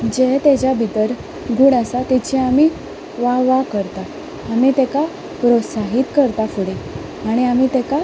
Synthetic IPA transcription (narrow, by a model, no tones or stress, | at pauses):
d͡ʑet̪ed͡ʑabʱit̪əɾ | ɡuɽasat̪ɛt͡ɕiami | ʋaʋakəɾt̪aː | mit̪eka | pɾot̪saɦit̪kəɾt̪afuɽe | aɽ̃iamit̪ɛka